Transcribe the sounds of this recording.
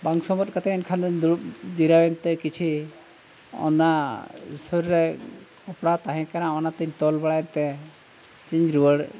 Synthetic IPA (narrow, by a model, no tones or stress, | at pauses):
baŋsɔmɔt̪̚ˀkat̪ʰɛɛnkʰand̪uud͡ʒiɾawɛnt̪ɛkit͡ʃʰi | ɔ̰nasɔɾɾɛkɔpɽat̪aɦɛ̃kanaɔnat̪iɲt̪ɔlbaɽajnt̪ɛ | t͡ʃiɲɾuwəɽ